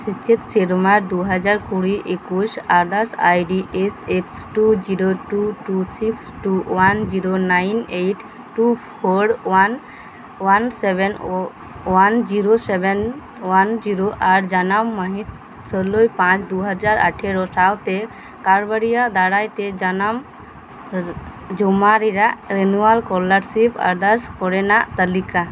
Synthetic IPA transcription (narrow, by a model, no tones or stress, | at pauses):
sit͡ʃet̪seɾmaɾd̪uɦəd͡ʒaɾkuɽiʔekusaɾd̪asa̰jɖiʔeseksʈud͡ʒiɾoʈuʈusiksʈuwand͡ʒiɾonainejʈ | ʈupʰoɾwan | wanseben | wand͡ʒiɾoseben | wand͡ʒiɾoʔaɾd͡ʒanamːəɦit̪̚ | səlojpãt͡ʃd̪uɦad͡ʒaɾa̰ʈʰeɾɔsawt̪e | kaɾbəɾijad̪aɽajt̪ed͡ʒanam | d͡ʒɔmaɾiɾaʔɾenualkɔləɾsipa̰ɾd̪askɔɽɛnaʔt̪əlika